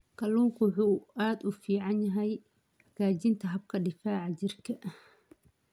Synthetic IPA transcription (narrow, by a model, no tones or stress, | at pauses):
kʰɐluːŋkʰʊwħuːʔaːd̪ʊfiːʕɑnjɐɦɛj | ɐɡaːt͡ʃɪnt̪ʰɐɦɐb̚kʰɐɖɪfaːʕɑt͡ʃɪrkʰɐʔ